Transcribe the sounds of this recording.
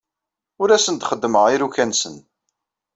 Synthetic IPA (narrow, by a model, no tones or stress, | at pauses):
ʊɾæsənd̪χəd̪ːməʁiɾukænsən